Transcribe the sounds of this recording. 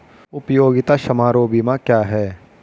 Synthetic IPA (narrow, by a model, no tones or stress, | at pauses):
ʊpjoːɡɪt̪aʃɐmaːɾoːbimãkjaːɦɛː